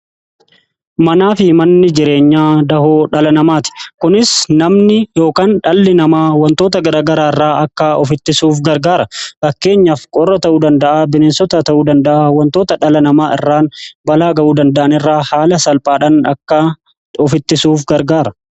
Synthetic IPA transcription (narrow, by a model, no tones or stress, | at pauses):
mɐnaːfɪmɐnːɪd͡ʒɪɾe̞ːɲːaːd̪ɐɦoːᶑɐlɐnɐmaːt̪ɪ̥kʊnɪsnɐmnɪjo̞ːkaːnᶑɐlːɪnɐmaːwɐnt̪o̞ːt̪ɐɡɐɾaːɡɐɾaːɪrːaːʔɐkːaɔfɪt̪ːɪsuːfɡɐɾɡaːɾɐfɐkːe̞ːɲːɐfkʼɔrːɐt̪ɐʔuːd̪ɐnd̪ɐʔaːbɪneːnsɔt̪ɐt̪ɐʔuːd̪ɐnd̪ɐʔaːwɐnt̪oːt̪ɐᶑɐlɐnɐmaːɪ̰rːaːnbɐlaːɡɐʔuːd̪ɐnd̪ɐʔɐnɪrːaːhaːlɐsɐlpʼaːᶑaːnɐkːɐ | ɔfɪt̪ːɪsuːfɡɐɾɡaːɾɐ